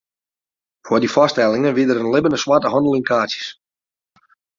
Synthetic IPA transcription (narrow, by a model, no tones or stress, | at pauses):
fʊəːdifɔstɛlˠɪŋənʋiədəɾənlɪbənəswatəɦɑndəlˠɪŋkʰaːsjə̥s